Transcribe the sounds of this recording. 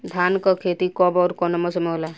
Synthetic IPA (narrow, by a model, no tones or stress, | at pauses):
d̪ʱankɔkʰet̪ikɔbɔːɾkɔnɔmɔsemola